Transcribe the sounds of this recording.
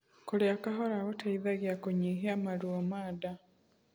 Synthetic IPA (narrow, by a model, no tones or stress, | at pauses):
koɾeakaɦɔɾaɣotaiðaɣjakoɲiɦeamaɾwɔmaːda